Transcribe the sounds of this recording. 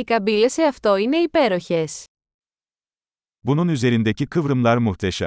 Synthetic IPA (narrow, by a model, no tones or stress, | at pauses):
ikɐbileseɐft̪o̞ine̞ipe̞ɾoçes | bununyze̞ɾind̪ecikʰɯvɾɯmlˠaɾmuxt̪ʰeʃɛ̰m